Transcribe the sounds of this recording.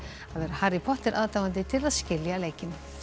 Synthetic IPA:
aðɛɾahaɾɪpʰɔht̪ɪɾʔaːðt̪aːvant̪̬ɪt̪ʰɪlaðscɪljaleːjcɪn

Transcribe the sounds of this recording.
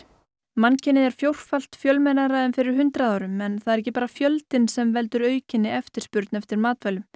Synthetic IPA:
mancɪnːɪðɛɾ̥fjowr̥fal̥t̪fjœlmejnaɾaɛnfɪɾɪɾ̥hʏnt̪ɾaðaːwɾʏmɛnθaðɛɾɛc̬ːɪpaːɾafjœlt̪ɪnsɛmvɛlt̪ʏɾœːɥcɪnːɪɛft̪ɪɾ̥spʏɾt̪nɛft̪ɪɾmaːt̪vɛlʏm

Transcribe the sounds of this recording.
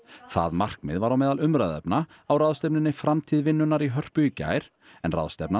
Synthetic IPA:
θa̰ðmar̥kmɪ̰ðvaɾawmɛːðalʏmɾaðɛ̰pna | awraðst̪ɛpnɪnːɪfɾamt̪ʰiːðvɪnːʏnaɾiɦœr̥pʏica̰ːjɾ̥ | ɛnra̰ðst̪ɛpna

